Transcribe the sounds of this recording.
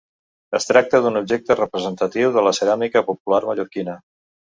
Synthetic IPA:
əst̪ɾak̚t̪əðunub̚ʒek̚t̪ərəpɾəzənt̪ət̪iwðələsəɾamikəpupularməʎuɾkinə

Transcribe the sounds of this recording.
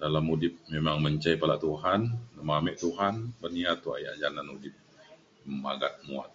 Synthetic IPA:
dalamudɪp̚memaŋməɲt͡ʃajpala̰ʔt̪uɦannəmamɛʔt̪uɦanbərniat̪ːua̰ja̰ʔd͡ʒananudɪp̚ | məma̰ɡa̰t̪̚mua̰t̪̚

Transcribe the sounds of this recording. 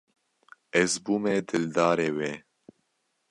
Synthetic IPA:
ɛzbuːmɛd̪ɨld̪ɑːɾeːweː

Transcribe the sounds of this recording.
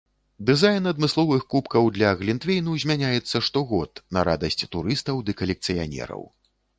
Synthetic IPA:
d̪ɨzajnɐd̪mɨslˠɔvɨxkupkɐwd̪lʲɐɣlʲint̪vʲejnuzʲmʲanʲajɛt̪sːɐʂt̪ɔɣɔt̪nɐ̰ɾa̰d̪ɐsʲt͡sʲt̪uɾɨst̪ɐwd̪ɨkɐlʲɛkt̪sɨja̰nʲɛ̰ɾɐ̰w

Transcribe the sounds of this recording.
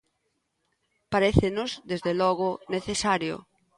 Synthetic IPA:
paɾeθenʊzd̪ezðelɔɣʊneθesaɾjo̰

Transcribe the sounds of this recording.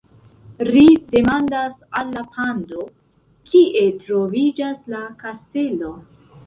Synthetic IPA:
lide̞mandasalːapʰando | kʰiʔe̞tɾo̞vid͡ʒaslakaste̞lo̞

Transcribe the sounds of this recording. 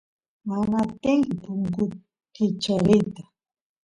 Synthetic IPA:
manat̪ɪŋkɪpʊŋkʊ | kɪt͡ʃaɾɪt̪ḁ

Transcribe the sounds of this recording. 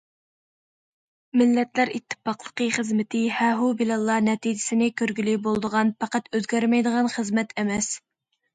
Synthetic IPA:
mɪlːɛt̪læɾit̪ʰːə̥pɑqlˠəqəχəzmɪt̪ʰɪhɛɦubilɑlˠːɑnɛt̪ʰid͡ʒɪsɪnɪkʲʰøɾɡʲylibolˠd̪əʁɑnpʰɑqæt̪øzɡʲæɾmɛjd̪əʁɑnχəzmɛt̪ʰɛmɛs

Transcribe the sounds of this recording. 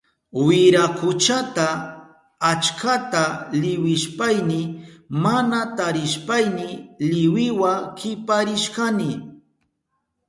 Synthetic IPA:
wɪɾakʊt͡ʃat̪aː | t͡ʃkat̪alɪwɪʃpajnɪmanat̪aɾɪʃpajnɪlɪwɪwakʰɪpaɾɪʃkanɪ

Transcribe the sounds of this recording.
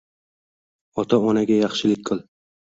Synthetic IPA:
ɒt̪ʰaɒnaɡʲajɑχʃɪlɪk̚ʲkʰʊlˠ

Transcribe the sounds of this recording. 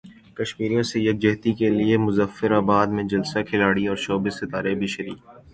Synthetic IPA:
kɐʃmiːɾijõsejɐk̚d͡ʒɛɦt̪ikeliemʊzəfːɪɾaːbaːd̪mẽd͡ʒɐlsakʰɪlaːɽiɔːɾʃoːbɪssɪt̪aːɾebʱiʃɐɾḭːk

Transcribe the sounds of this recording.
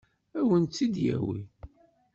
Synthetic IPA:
æwənt̪ːid̪jæ̰wi

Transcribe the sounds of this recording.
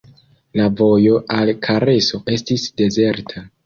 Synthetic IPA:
lavo̞jo̞ʔalkʰaɾe̞so̞ʔe̞stisde̞ze̞ɾtʰa

